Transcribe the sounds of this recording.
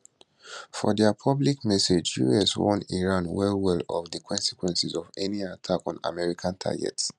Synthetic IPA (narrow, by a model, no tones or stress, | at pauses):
fɔdɛpʰɔblikmɛsed͡ʒjṵɛswɔ̰̃niɹãnwɛlwɛlɔfdəkʰɔ̃nsi̥kwɛ̃nsizɔvɛniatʰakɔ̃na̰mɛɹikʰãntʰa̰ɡɛ̰ts